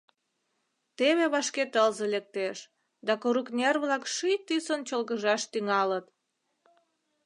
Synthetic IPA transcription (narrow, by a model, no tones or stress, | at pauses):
t̪eβeβɑʃket̪əlzelek̚t̪eʃ | d̪ɑkoɾuknʲerβlɑkʃijt̪isont͡ɕolɣəʒɑʃt̪yŋɑlət̪